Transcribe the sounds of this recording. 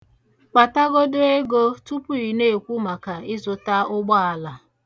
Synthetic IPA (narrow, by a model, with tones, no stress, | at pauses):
k͡pa˨ta˦ɡo˦de˦ɡo˦tu˦pu˦ɾi˨ne˦˨e˨kʷu˦ma˨ka˨ɪ˦zʊ˨ta˦ʊ˦ɡ͡bɔ˦a˨la˨